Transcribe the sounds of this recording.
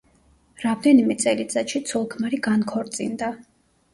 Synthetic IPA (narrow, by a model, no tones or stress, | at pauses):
ɾamd̪ɛnimɛt̪sʼɛlit̪sʼat̪ʃit̪sʰulˠkʰmaɾiɡankʰɔɾt̪sʼḭnd̪a